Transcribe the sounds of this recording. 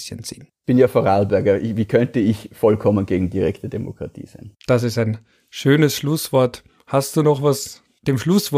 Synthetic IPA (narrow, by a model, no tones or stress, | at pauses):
sə̰nt͡sḭːn | b̥ɪnjaːfoɐʁalbɛɐɡɐɪviːkʰœntəɪçfɔlkʰɔmənɡeːɡŋ̩diʁɛktədemo̰kʁ̥atʰḭːz̥aɪnd̥as̬ɪstaɪn | ʃøːnəsʃlʊsv̥ɔɐt | hast̚d̥uːnɔχvas | d̥eːmʃlʊsv̥ɔ